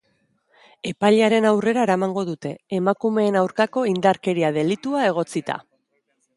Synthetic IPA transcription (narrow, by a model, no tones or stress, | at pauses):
e̞pajʎeaɾe̞nawre̞ɾaeɾamaŋɡo̞ðut̪e̞ːmakume̞ːnawɾkako̞ind̪aɾke̞ɾiaðe̞lit̪uae̞ɣ̞o̞t͡sit̪a̰